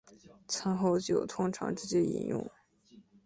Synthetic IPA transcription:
t͡sʰə˧˥nxo˥˧ʊt͡ɕjo˥˨˩ʊt̪ʰʊ˥ŋʈ͡ʂʰɑ̰˧˥ŋʈ͡ʂɻ̩˥˩t͡ɕjɛ˥˩ḭ˧˥njʊ̰˥˩ŋ

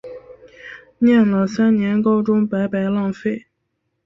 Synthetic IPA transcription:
njɛ˥˩nlə˨sa˥nnjɛ˧˥nko˥ʊʈ͡ʂʊ˥ŋpa˧˥ɪpa˧˥ɪlɑ˥˧ŋfe˥˩ɪ

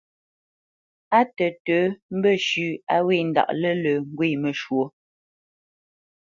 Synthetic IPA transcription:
a˦tə˨tə˨˦m̩˦bə˦˨ʃʉː˨˦a̰˦we˦˨n̩˨da̰˨ʔlə˦lə˨ŋ̩˦ɡwe˦˨mə˨ʃwo˨˦

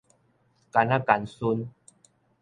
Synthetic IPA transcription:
ka˨˧na˦ka˨nsu˧n

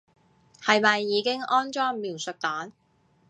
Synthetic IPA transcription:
hɐ˨jmɐ˨jːiː˨˧kɪ˥ŋɔː˥nt͡ʃɔː˥ŋmiː˨˩wsɵ˨k̚t̪aː˨˥n

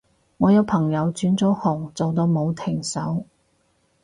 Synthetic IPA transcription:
ŋɔː˨˧jɐ˨˧wpʰɐ˨˩ŋjɐ˨˧wt͡ʃyː˨˥nt͡sɔː˨˥hʊ˨˩ŋt͡so˨wt̪o˨˧wmo˨˧wt̪ʰɪ˨˩ŋsɐ˨˥w

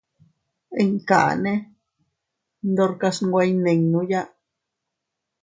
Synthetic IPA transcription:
e˧ŋkaʔa̰nẽ˦ | nd̪o˧ɾkasŋɡʷajne˧ŋnũja˦

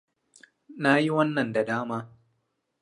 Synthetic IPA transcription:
na˦ji˦wɐ˦nːɐ˨nda˨daː˦maː˦

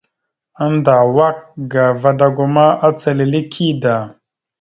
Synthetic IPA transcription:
a˦nda˨wa˦k̚ɡa˨va˨da˨ɡu˨ma˦ʔa˦t͡sə˨li˨li˦kʰi˦da˨

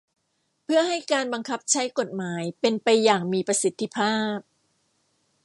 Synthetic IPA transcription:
pʰɯ˥˩ɐɦa˥˩jkaː˧nba˧ŋkʰa˦˥p̚t͡ɕʰa˦˥jko˨˩t̪̚maː˩˦jpe˧npa˧jːaː˨˩ŋmiː˧pɾa˧si˨˦t̪ʰːi˦˥pʰaː˥˩p̚

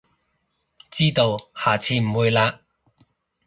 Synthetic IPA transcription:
t͡siː˥t̪o˧whaː˨˩t͡sʰiː˧m̩˨˩wuː˨˧jlaː˧

